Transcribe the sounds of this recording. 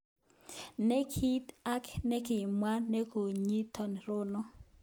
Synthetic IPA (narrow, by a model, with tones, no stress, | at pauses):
ne˦kʰi˦ta˦knɛ˦kɪ˨mwa˦ne˦ko˨ɲi˦tɔ˨n˨ɾʊ˦nɔ˦